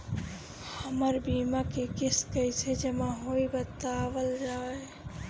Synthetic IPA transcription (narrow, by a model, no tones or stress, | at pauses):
həməɾbimakekɪskəɪsed͡ʒəmaɦoibət̪aʋəlɾae